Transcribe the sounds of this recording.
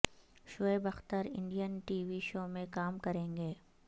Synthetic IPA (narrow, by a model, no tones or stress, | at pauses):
ʃoːebɐxt̪əɾɪ̰̃ɳɖijənʈiːʋiʃoːmẽkaːmkɐɾẽːŋɡeː